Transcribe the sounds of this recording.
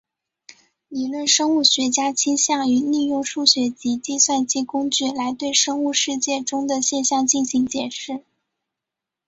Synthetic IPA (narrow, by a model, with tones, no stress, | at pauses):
li˧˨˩lwə˥˩nʂɤ˥ŋu˥˩ɕɥɛ˧˥t͡ɕja˥t͡ɕʰi˥nɕjɑ˥˩ŋy˧˥li˥˧jʊ˥˧ŋʂu˥˩ɕɥɛ˧˥t͡ɕi˧˥t͡ɕi˥˧swa˥˧nt͡ɕi˥˩kʊ˥ŋt͡ɕy˥˩la˧˥ɪt̪we˥˧ɪʂɤ˥ŋu˥˧ʂɻ̩˥˧t͡ɕjɛ˥˩ʈ͡ʂʊ˥ŋd̪ə˨ɕjɛ˥˧nɕjɑ˥˧ŋt͡ɕi˥˩nɕi˧˥ŋt͡ɕjɛ˨˩nʂɻ̩˥˩